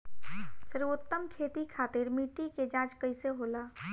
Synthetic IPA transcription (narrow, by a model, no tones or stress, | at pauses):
səɾʊt̪ːəmkʰeːt̪ikʰat̪ɪɾmiʈiked͡ʒãd͡ʒkəɪseɦola